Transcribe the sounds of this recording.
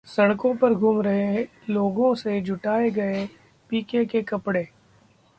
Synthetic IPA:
sɐɽ̃kõpɐɾɡʱuːmɾɐɦe | loːɡõsed͡ʒʱʊʈaːeɡɐe | piːkekekɐpɽeː

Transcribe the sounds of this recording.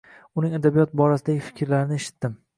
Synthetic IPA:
ʊnɪŋad̪abijɒt̪̚bɒɾasɪd̪aɡʲɪfɪ̥kʲʰɾlaɾɪnɪeʃɪ̥t̪ːɪm

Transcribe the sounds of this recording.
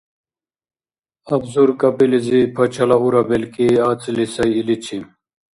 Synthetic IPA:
ɐbzuɾkɐpilizipʰɐt͡ɕʰɐlaɦuɾabelkiaːt͡silisɐjilit͡ɕʰim

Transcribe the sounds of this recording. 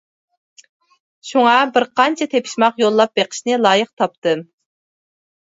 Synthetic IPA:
ʃuŋɑbɪɾqɑnt͡ʃʰɛt̪ʰepʰi̥ʃmɑqjolˠːɑp̚beqʰə̥ʃnɨlˠɑːjəq̚t̪ʰɑp̚t̪ɨ

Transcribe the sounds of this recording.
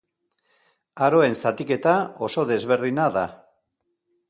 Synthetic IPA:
aɾo̞e̞nsat̪ike̞t̪ao̞so̞ðe̞zβe̞ɾðinaða

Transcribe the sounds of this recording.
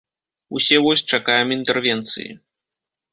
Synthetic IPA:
usʲɛvɔsʲt͡ʂakajɛmint̪ɛrvʲɛnt̪sɨ̰jḭ

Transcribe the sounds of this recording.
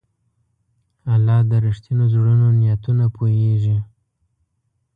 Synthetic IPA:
alɑd̪əɾiʂt̪inozɽənonijat̪unapʰoeʒi

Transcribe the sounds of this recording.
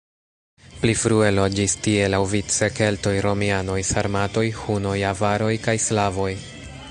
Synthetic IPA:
plifɾue̞lo̞d͡ʒistie̞lawvit͡se̞ke̞lto̞jɾo̞miano̞jsaɾmato̞jhuno̞javaɾo̞jkajslavo̞j

